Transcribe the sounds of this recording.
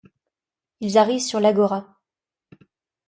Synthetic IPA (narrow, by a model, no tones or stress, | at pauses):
ilzaʁivsyʁlaɡɔʁa